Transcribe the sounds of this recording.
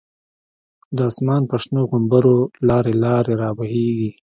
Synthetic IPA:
d̪əɑsmɑːnpaʂnoɣʊmbaɾolɑːɾelɑːɾeɾɑːbaɦeɡi

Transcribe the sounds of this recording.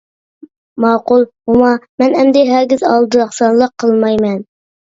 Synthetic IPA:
mɑːqulˠmumɑmɛnɛmd̪ɪɦɛɾɡʲizɑlˠd̪ɨɑχsɑnlˠəqʰːəlˠmɑjmɛn

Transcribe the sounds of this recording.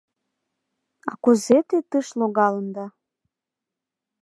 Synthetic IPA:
ɑkuzet̪et̪ɨʃloɣɑlənd̪ɑ

